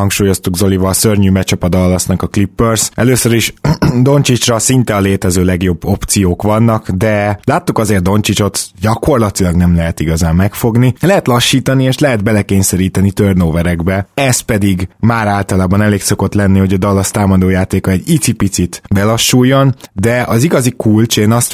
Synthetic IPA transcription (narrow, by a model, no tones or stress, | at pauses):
ɒŋkʃuːjo̞st̪uɡzo̞livɒːsørɲyːmɛt͡ʃɒpɒd̪ɒlːɒsnɒkɒklipːørsɛløːsøɾiʃd̪o̞nt͡ʃit͡ʃrɒsint̪ɛɒleːt̪ɛzøːlɛɡjo̞bːo̞pt̪sijoːkʋɒnːɒkd̪ɛlaːt̪ːukɒzeːrt̪o̞nt͡ʃit͡ʃo̞t̪ɟɒko̞rlɒt̪ilɒɡnɛmlɛɦɛt̪iɡɒzaːmːɛkfo̞ɡnilɛɦɛt̪lɒʃːiːt̪ɒnieːʃlɛɦɛd̪̚bɛlɛkeːɲsɛɾiːt̪ɛnit̪ørnoːvɛɾɛɡbɛɛst̪̚pɛd̪iɡmaːɾaːlt̪ɒlaːbɒnɛleːkso̞ko̞t̪lɛnːiho̞ɟɒd̪ɒlːɒst̪aːmɒd̪oːjaːt̪eːkɒɛɟit̪sipit̪sit̪bɛlɒʃːujːo̞nd̪ɛʔɒziɡɒzikult͡ʃeːnɒst̪